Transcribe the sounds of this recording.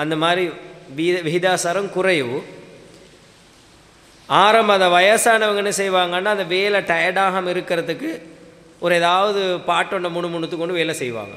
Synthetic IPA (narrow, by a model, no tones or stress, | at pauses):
ɐnd̪ɐmaːd̪ɾiʋiʋɪɦɪd̪aːsɐɾɐmkʊrɐɪʋɯ | aːɾɐmbɐðɐʋɐjɐsaːnɐʋɐŋɡɐɛnːɐsɛjʋaːŋɡɐnːaːɐnd̪ɐʋeːlɐʈɐjɐɽaːɦɐmɪɾɯkːɪɾɐðɯkːɯ | ʔɔɾɯeːðaːʋɐðɯpaːʈːɔɳɖɐmʊɳɯmʊɳɯt̪ːɯkːɔɳɖɯʋeːlɐsɛjʋa̰ːŋɡɐ̰